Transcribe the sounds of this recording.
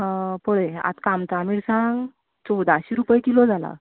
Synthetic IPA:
poɭea̰t̪kamt͡s̪amiɽsãŋɡ | t͡sɔd̪aɕiːɾupəjkilod͡zʱala̰

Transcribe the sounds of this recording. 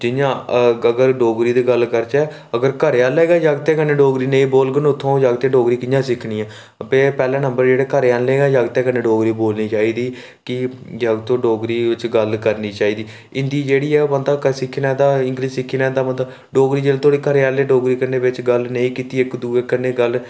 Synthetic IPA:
d͡ʒɪãːəɡəɾɖoːɡɾiːd̪eːɡəlkəɾt͡ʃɛː | əɡəɾkəɾaːlɛːɡaːd͡ʒaɡt̪ẽːkənːeːɖoːɡɾiːnəĩːboːlɡənʊt̪ʰːõːd͡ʒaɡt̪ẽːɖoːɡɾiːkɪjãːsɪkʰnĩːãː | əpeːpɛːlãːnəmbəɾd͡ʒeːɽeːkəɾaːnleːɡaːd͡ʒaɡt̪ẽːkəneːɖoːɡɾiːboːlniːt͡ʃaːiːd̪iː | kɪd͡ʒəɡt̪õːɖoːɡɾiːʋɪt͡ʃɡəlkəɾniːt͡ʃaːiːd̪iː | ɪnd̪iːd͡ʒeːɽiːɛːbənd̪aːkəsɪkʰːiːnad̪aːɪŋɡɾiːsɪkʰːiːnaːd̪aːmət̪ə | ɖoːɡɾiːd͡ʒeːlːt̪ʰoːɽiːkəɾaːlːeːɖoːɡɾiːkəneːʋɪt͡ʃɡəlnəĩːkiːt̪iːɪkd̪uːeːkənːeːɡəl

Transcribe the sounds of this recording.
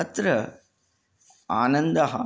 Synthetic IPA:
ɐt̪ɾɐ | aːnɐnd̪ɐɦɐ

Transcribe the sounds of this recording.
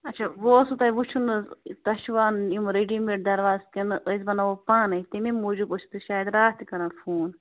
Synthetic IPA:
ɐtːt͡ʃʰaʋoːsut̪ɐiʋut͡ʃʰunɨzt̪ɐʃʋaːnimɾeɖimeʈ̚d̪ɐɾʋaːzkɐnɨʔəzbɐnaʋopaːnɐit̪ememoːd͡ʒubot͡ʃʰu̥t̪ɨʃaːjɐd̪ɾaːt̪ikɐɾanfʰuːn

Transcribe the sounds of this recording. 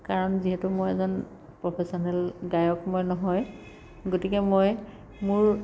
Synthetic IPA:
kaɹɔnziɦɛtʊmojɛzɔn | pɹɔpʰɛsɔnɛlɡajɔkmɔjnɔɦɔj | ɡotikɛmoj | mʊɹ

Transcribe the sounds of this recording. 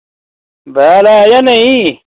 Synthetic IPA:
balajɐnɐi

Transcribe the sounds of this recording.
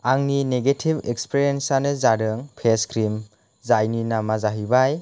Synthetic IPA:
aŋnineɡetʰibekspʰeɾiensanɯzaɾɯŋpʰeskʰɾim | zajninamazaɦibaj

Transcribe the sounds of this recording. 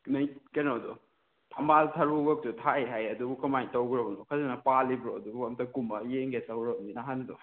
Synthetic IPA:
nɐjkenowdo̰ | tʰɐmbaltʰɐɾuɡɐk̚tutʰaiɦajɐdubukɐmajtɐwɡɾɐbɐnukʰɐzenɐpalːibɾoɐdubuɐmtɐkumbɐjeŋɡetɐwɾɐbɐninaɦando̰

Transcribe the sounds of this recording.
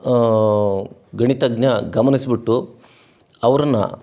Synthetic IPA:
ɡɐɳit̪ɐɡɲɐɡɐmɐnisbiʈːu | ɐʋɐɾɐnːɐ̰

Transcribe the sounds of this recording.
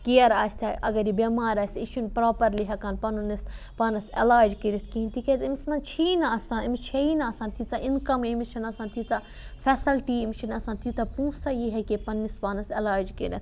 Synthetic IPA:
kijɐɾaːsʲt̪ʰʲaʔɐ̰ɡɐɾibemaːɾaːsʲit͡ʃʰunpɾaːpɐɾliɦɐkɐnpɐnunis | paːnɐsḛlaːɾd͡ʒkiɾɐt̪ʰkinʲt̪ikezimismɐnt͡ʃʰinɐɐsãːnimit͡ʃʰɐinɐɐsãːnt̪ʰit͡saʔinkɐmemiʃɐnɐsãːnt̪ʰit͡s̪a | fɛːsɐlʈiemiʃɐnɐsãːnt̪ʰit̪ɐpũːsajiɦɐkepɐnːispaːnɐselaːɾd͡ʒkḭɾʲɐ̰t̪ʰ

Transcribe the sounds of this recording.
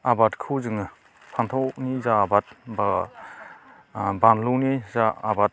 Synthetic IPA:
abatkʰuzɯŋɯ | pʰant̪ʰɔwnizaːbat̚ba | banlunizaabat̚

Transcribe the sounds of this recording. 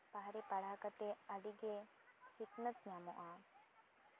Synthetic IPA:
paɦaɾɛpaɽakat̪eəɖiɡe | siknət̪̚ɲamɔʔa

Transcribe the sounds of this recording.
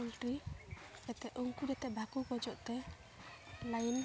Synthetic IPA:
ulʈɾi | ɛt̪ɛʔuŋkud͡ʒɛt̪ɛbʱakukɔd͡ʒɔʔt̪ɛ | lajin

